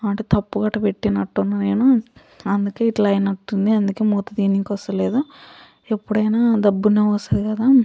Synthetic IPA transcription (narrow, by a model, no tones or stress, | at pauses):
ɐɳʈeːt̪ɐpːuɡɐʈːɐpe̞ʈːinɐʈːunːaːne̞ːnu | ɐnd̪uke̞ːiʈlɐjɐnɐʈːund̪iɐnd̪ukeːmɔːt̪ːɐd̪iːniŋkɔst̪ɐle̞ːd̪u | e̞pːuɽɐjnaːd̪ɐbːuneːɔsaːd̪ikɐd̪aː